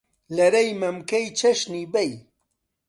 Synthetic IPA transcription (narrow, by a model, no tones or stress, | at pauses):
lɐɾɐjmɐmkɐjt͡ʃʰɐʃnibej